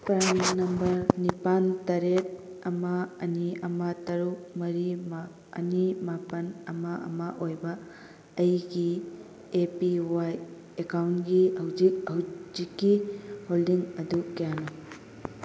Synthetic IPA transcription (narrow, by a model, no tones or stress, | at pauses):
pɾannɐmbɐɾnipantɐɾet̚ | ɐmɐɐniɐmɐtɐɾuk̚mɐɾima | ɐ̰nimapɐnɐmɐʔɐ̰mɐʔojbɐː | jɡi | epiwaj | ekawnɡihɐwd͡ʒik̚hɐwzikːiholdiŋɐdukijano